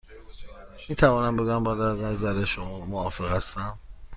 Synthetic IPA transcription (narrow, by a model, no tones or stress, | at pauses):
miːt̪ʰævɒːnæmbe̞ɡuæmbæːd̪æɾnæzæɾeʃomɒːmoɒːfe̞ɣhæst̪æm